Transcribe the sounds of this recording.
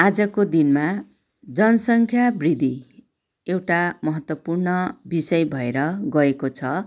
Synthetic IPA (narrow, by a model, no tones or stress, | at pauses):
ad͡zʌkod̪inma | d͡zʌnʌsʌŋkʰjabrid̪ʱi | ewʈamʌɦʌt̪wʌpurnʌbisʌjbʱʌeɾʌɡʌekot͡sʰʌ